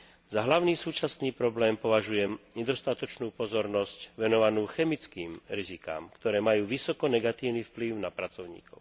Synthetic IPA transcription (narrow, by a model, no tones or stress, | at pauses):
zaɦlaʊniːsuːt͡ʃasniːpɾɔblɛːmpɔʋaʒujɛmɲɛd̪ɔst̪at̪ɔt͡ʃnuːpɔzɔɾnɔscʋɛnɔʋanuːxɛmit͡skiːmɾizika̰ːmkt̪ɔɾɛːmajuːʋisɔkɔnɛɡat̪iːʊnifpliʊnapɾat͡sɔʊɲḭːkɔʊ